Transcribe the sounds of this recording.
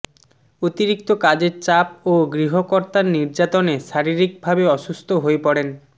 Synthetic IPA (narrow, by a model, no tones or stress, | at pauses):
ot̪iɾikt̪okad͡ʑeɾt͡ɕap̚oɡɾiɦokoɾt̪aɾniɾd͡ʑat̪oneʃaɾiɾik̚bʱabeɔʃust̪ʰoɦoepɔɽen